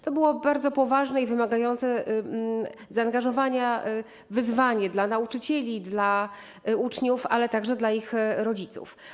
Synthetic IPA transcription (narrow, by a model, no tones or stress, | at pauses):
t̪ɔbɘwɔbaɾd̪zɔpɔvaʐnɛivɘmaɡajɔnt̪sɛ | zaːŋɡaʐɔvaɲa | vɘzvaɲɛd̪lanaut͡ʂɘt͡ɕɛlʲid̪la | ut͡ʂɲufalɛt̪aɡʐɛd̪laixɾɔd͡ʑit̪sṵf